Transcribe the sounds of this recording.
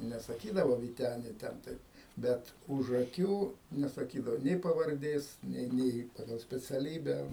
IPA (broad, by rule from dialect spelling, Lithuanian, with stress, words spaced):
nʲɛsɐˈkʲiːdɐʋoː ʋʲiːˈtʲæːnʲɪ ˈtʲɛn tɐɪp ˈbʲɛt ʊʃ ɐˈkʲuː nʲɛsɐˈkʲiːdɐʋoː ˈnʲeː pɐʋɐrʲˈdʲeːs ˈnʲeː ˈnʲeː ˈpɑːɡɐlˠ sʲpʲɛt͡sʲɛˈlʲiːbʲæː